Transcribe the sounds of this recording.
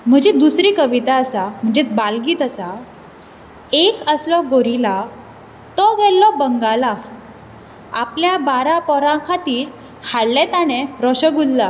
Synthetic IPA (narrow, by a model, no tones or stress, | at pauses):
m̤əd͡ʑed̪usɾiːkəʋit̪aəsam̤əɳd͡ʑet͡sbalɡiːt̪əsa | ekəslɔɡoɾila | t̪ɔʋɛlːɔbəŋɡala | apljabaɾapɔɾãkʰat̪iːɾ | haɭːɛ̃t̪aneɾɔɕəɡulla